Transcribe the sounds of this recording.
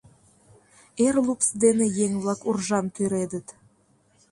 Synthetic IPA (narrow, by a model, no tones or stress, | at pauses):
erlupsd̪enejeŋβlɑkurʒɑnt̪yɾed̪ət̪